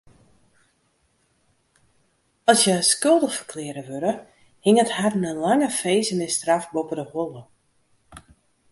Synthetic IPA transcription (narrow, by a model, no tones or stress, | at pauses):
ɔlˠsjəskølˠdəfərkʰlɪəɾəʋøɾə | hɪŋətharnəlaŋəfeːsənɪstrafbopədəholˠə